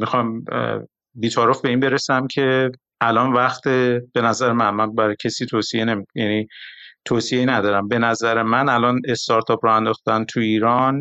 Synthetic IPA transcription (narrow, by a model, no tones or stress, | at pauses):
mixɒm | biːt̪ʰɒːɾofbe̞iːnbe̞ɾesæmcʰe̞ | ʔælɒnvæxt̪ʰeb̥e̞næzæɾemænmænbæɾɒjcʰesiːt̪ʰoːsie̞ne̞mikjænit̪ʰoːsieinæd̪ɒːɾæmbe̞næzæɾe̞mænælɒːne̞st̪ɒɾt̪ʰɒːpɾɒænd̪ɒːxt̪ænt̪ʰuiːɾɒn